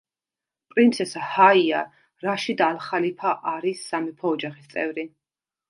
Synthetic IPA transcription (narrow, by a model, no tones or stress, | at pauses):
pʼɾint̪sʰɛshaia̰ | ɾaʃid̪aːlχalipʰaʔaɾisːamɛpʰɔːd͡ʒaχist̪sʼɛ̰vɾi